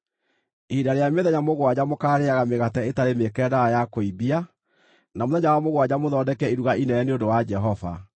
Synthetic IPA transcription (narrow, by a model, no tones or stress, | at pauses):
idaɾejameðɛɲamoɣwad͡ʑamokaːɾeaɣameɣatɛetaɾemekɛːdaɾajakoibia | namoðɛɲawamoɣwad͡ʑamoðɔːdɛkɛiɾuɣaʔinɛɛneondowad͡ʒɛɦɔva̰